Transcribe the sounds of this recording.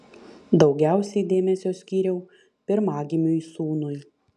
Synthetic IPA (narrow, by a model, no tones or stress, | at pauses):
d̪ɒʊɡʲæˑʊsʲɛɪd̪ʲeːmʲɛsʲoːsʲkʲiːɾʲɛʊ | pʲɪɾmɑːɡʲɪmʲʊisuːnʊj